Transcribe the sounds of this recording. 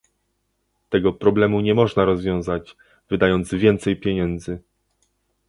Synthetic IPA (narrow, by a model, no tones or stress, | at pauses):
t̪ɛɡɔpɾɔblɛmuɲɛmɔʐnaɾɔzvʲjɔ̃w̃zad͡ʑ | vɘd̪ajɔnd̪zvʲjɛnt̪sɛjpʲjeɲɛnd̪zɘ